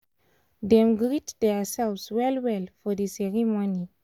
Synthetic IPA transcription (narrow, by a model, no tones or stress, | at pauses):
dɛ̃mɡɹitdɛsɛlswɛlwɛlfɔdəsɛɹimoni